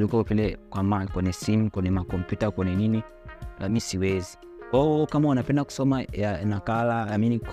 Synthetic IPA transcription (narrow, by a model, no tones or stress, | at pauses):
likɔpilɛkwamalkwɛnɛsimkwɛnɛmakɔmpjutakwɛnɛnini | lamisiwɛzi | kaɔkamawanapɛndaku̥sɔmajanakalaaminik